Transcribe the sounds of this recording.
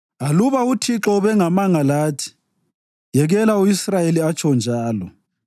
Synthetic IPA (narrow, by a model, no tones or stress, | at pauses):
aluβautʰiǁɔβɛŋamaŋalaːtʰi̥ | jɛɣɛlauisrajeliat͡ʃʰɔnd͡ʒʱaːlɔ̰